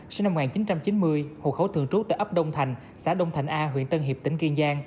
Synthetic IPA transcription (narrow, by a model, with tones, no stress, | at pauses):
sna˧m̚ː˨˩aː˨˩nt͡ɕi˨˦nt͡ɕa˧mt͡ɕi˨˦nmɨ˧əjho̰˨˩kxə˧˩˦t̪ʰɨ˧əŋt͡ɕu˦˥t̪a̰ː˧˨ʔə˦˥p̚ɗə˧wŋ͡mt̪ʰa˨˩jŋ̟ | sa̰ː˧˩˦ɗə˧wŋ͡mt̪ʰa˨˩jŋ̟ʔaː˧ɦwḭ˧˨ənt̪ə˧nɦi˨˩p̪̚ï˧˩ŋki˧ŋzaː˧ŋ